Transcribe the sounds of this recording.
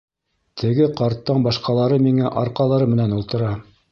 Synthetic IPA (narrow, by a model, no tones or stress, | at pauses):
t̪ʰɘ̆ɡɘqɑɾt̪ːɤɴbɑʃqɑlˠɑɾɤmiŋæʔɑɾqɑlˠɑɾɤmɘ̆nænulˠt̪ɤ̆ɾɑ